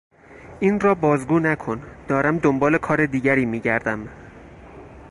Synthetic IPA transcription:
ʔiːnrɒːbɒːzɡuːnækʰo̞nd̪̥ɒːɾæmd̪ombɒːlekʰɒːɾe̞d̪iːɟæɾiːmiːɟæɾd̪æm

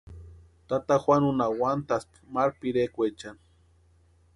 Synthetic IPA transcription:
t̪at̪axʷanunawant̪aspmaɾpiɾekʷet͡ʃan

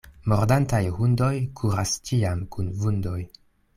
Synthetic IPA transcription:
moɾdantajhundo̞jkʰuɾast͡ʃiamkunvundo̞j

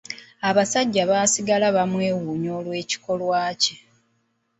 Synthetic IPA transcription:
aβasaɟːaβaːsiɡalaβamwe̞ːwuːɲo̞ːlwe̞ːci̥ko̞lwaːce

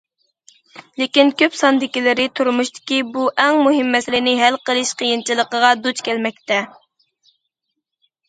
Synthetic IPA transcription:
lɪkʲinkʲøpsɑnd̪ɪkʲilɪɾɪt̪ʰuɾmuʃt̪ɪ̥kʲibuʔɛŋmuɦɪmːɛsɪlɪnɪɦælqəlˠɨʃqʰəjint͡ʃʰilˠəqəʁɑd̪ut͡ʃkʲʰɛlmɛk̚ʲt̪ɛ

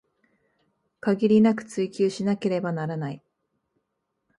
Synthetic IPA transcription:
kaɡʲiɾʲinakɯ̟̥t͡sɨikʲɨːɕinake̞ɾe̞banaɾanai

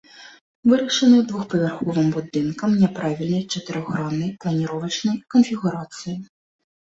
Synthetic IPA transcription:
vɨɾɐʂɐnɨd̪vuxpɐvʲɛrxɔvɨmbud̪ɨnkɐmnʲɛpɾavʲilʲnɐjt͡ʂɐt̪ɨɾɔɣɾamnɐjplˠɐnʲiɾɔvɐt͡ʂnɐjkɔnfʲiɣuɾat̪sɨji

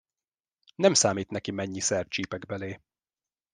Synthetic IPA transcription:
nɛmsaːmiːt̪nɛkimɛɲːisɛrt̪̚t͡ʃiːpɛɡbɛleː

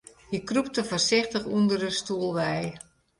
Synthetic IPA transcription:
hikrup̚təforsɪxtəxundərəstuəlˠʋɛj

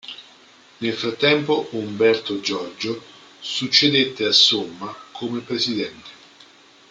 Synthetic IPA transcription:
nelfɾat̪ːɛmpoumbɛrt̪od͡ʒɔrd͡ʒo | sut͡ʃːed̪et̪ːeasːomːakʰomepɾesid̪ɛnt̪e̥

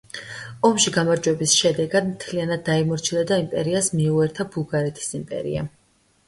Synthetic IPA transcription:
ɔmʃiɡamaɾd͡ʒwɛbisʃɛd̪ɛɡad̪mt̪ʰlianad̪̚ːaimɔɾt͡ʃʰid̪ad̪aimpʼɛɾiasmiuɛɾt̪ʰabulˠɡaɾɛt̪ʰi̥simpʼɛ̰ɾḭa̰

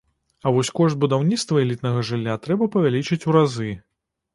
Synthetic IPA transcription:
ɐvɔsʲkɔʂt̪̚bud̪awnʲit̪st̪vɐɛlʲit̪nɐɣɐʐɨlʲːat̪ɾɛbɐpɐvʲalʲit͡ʂɨt͡sʲuɾazɨ

